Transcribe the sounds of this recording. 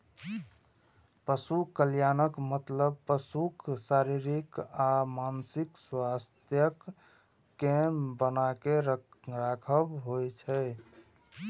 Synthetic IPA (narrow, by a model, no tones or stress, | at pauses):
pəsukəljanəkmət̪ləb̚pəsuksaɾiɾikamansikswast̪ʰjəkː | ebənakeɾɾakʰəbɦojt͡ʃʰɛ